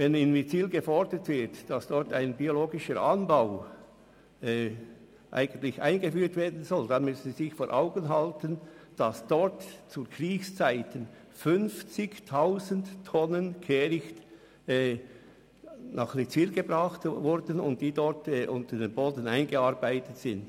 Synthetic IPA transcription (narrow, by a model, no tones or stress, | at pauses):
vɛnɪnmit͡siːlɡəfɔɹdətv̥ɪɐtd̥ɑsd̥ɔɹtaɪnbioloːɡɪʃəɾʔɑnbaʊ | ɛ | ʔa̰ɪɡ̥əntlɪça̰ɪnɡəfyːtv̥eːɐdn̩zɔld̥ɑnmʏsən̩ziːzɪçfoːɾʔaʊɡənɦɑltənd̥ɑsd̥ɔɹtt͡sukʁiːçst͡saɪtən | fʏnft͡sɪçtʰaʊzənttʰːɔnənkʰeːɾɪçt | ɛː | nʔɑχlet͡siːlɡ̥əbʁɑχtvʊɾdənʊ̰nt̚d̥iːdɔɾtɛʔʊntədeːnboːdn̩aɪnɡəɑɾbaɪtətsɪnd